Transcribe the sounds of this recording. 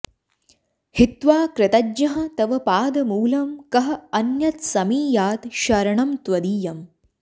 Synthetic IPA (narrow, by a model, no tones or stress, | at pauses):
hit̪ʋaːkɾɪt̪ɐdɲɐɦɐ̆t̪ɐʋɐpaːd̪ɐmuːlɐmkɐɦɐ̆ɐnjɐt̪sɐmiːjaːt̪ʃɐɾɐɳɐmt̪ʋɐd̪iːjɐm